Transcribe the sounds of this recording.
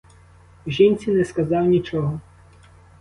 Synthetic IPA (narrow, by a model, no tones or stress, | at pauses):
ʒinʲt͡sʲinɛskɐzɑwnʲit͡ʃɔɦɔ